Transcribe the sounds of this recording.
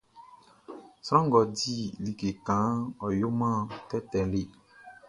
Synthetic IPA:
sɾã˦ŋ˦ɡɔ˨di˦li˨ke˨kã˨˦ɔ˨jo˦mã˦tɛ˦tɛ̃˨le˦˨

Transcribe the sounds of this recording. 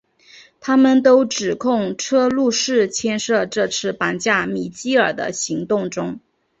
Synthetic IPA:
t̪ʰa˥mə˨nt̪o˥ʊʈ͡ʂɻ̩˨˩kʰʊ˥˩ŋʈ͡ʂʰɤ˥lu˥˧ʂɻ̩˥˩t͡ɕʰjɛ˥nʂɤ˥˧ʈ͡ʂɤ˥˧t͡sʰɹ̩˥˩pa˧˥nt͡ɕja˥˩mi˨˩t͡ɕi˥ə˞˨˩d̪ə̰˦ɕi˧˥ŋt̪ʊ˥˩ŋʈ͡ʂʊ˥ŋ

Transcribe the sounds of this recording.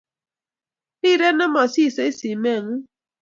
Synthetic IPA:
i˦˨ɾe˦nɔ˦mɔ˨si˦˨se˨˦i˦si˨me˦˨ŋu˦

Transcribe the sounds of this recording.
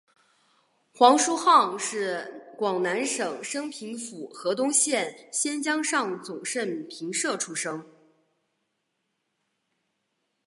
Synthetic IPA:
xwɑ˧˥ŋʂu˥xɑ˥˧ŋʂɻ̩˥˩kwɑ˨˩ŋna˧˥nʂɤ˨˩ŋʂɤ˥ŋpʰi˧˥ŋfu˨˩xɤ˧˥t̪ʊ˥ŋɕjɛ˥˩nɕjɛ˥nt͡ɕjɑ˥ŋʂɑ˥˩ŋt͡sʊ˨˩ŋʂə˥˩npʰi˧˥ŋʂɤ˥˩ʈ͡ʂʰu˥ʂɤ˥ŋ

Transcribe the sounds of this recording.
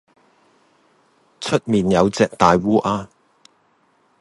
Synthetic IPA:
t͡ʃʰɵ˥t̚miː˨njɐ˨˧wt͡sɛː˨k̚t̪aː˨jwuː˥ʔaː˧

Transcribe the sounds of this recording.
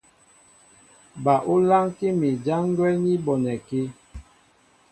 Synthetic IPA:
ba˨ʔu˦la˦ŋki˦mi˨d͡ʒa˦ŋ˦ɡwɛ˦lni˦bɔ˨nɛ˨ki˦

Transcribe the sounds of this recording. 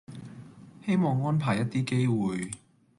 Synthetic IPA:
he˥jmɔː˨ŋːɔː˥npʰaː˨˩jːɐ˥t̚t̪iː˥ke˥jwuː˨j

